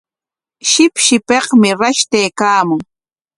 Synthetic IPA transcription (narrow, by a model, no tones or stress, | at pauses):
ʃɪpʃɪpeqmɪɾaʃt̪ejkaːmʊŋ